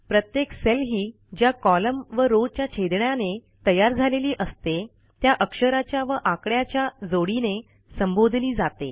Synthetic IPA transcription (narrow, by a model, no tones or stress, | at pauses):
pɾət̪jekselɦiː | d͡ʑjakɔləmʋəɾot͡ɕjat͡ɕʰed̪ɳjane | t̪əjaɾd͡zʱaleliːʔəst̪e | t̪jaʔəkʂəɾat͡ɕjaʋəʔakɽjat͡ɕjad͡zoɽine | səmbod̪ʱliːd͡zat̪ḛ